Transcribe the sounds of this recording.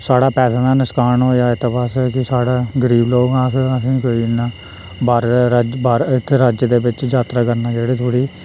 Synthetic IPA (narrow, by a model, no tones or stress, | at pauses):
saːɽaːpɛːsaːd̪aːnɪskaːnɦoːjaːɪt̪ːpaskɪsaːɽaːɡəɾiːbloːɡãːsəsĩːkoːiːnaː | baːɾd͡ʒbaːɾɪt̪ʰːɾəd͡ʒd̪eːbɪt͡ʃd͡ʒaːt̪ɾaːkəɾnaːd͡ʒeːɽeːt̪ʰoːɽiː